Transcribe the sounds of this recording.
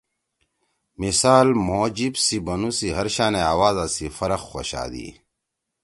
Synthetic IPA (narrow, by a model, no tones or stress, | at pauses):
misaːlmoːd͡ʑibsibɐnusiɦɐɾɕaːneaːwaːzasifɐɾɐxːo̰ɕa̰ːd̪ḭ